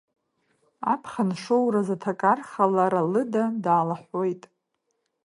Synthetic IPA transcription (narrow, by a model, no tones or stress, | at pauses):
a̰pʰχanʂowɾazatʰakʼarχalaɾalɨdadaːlaħʷojtʼ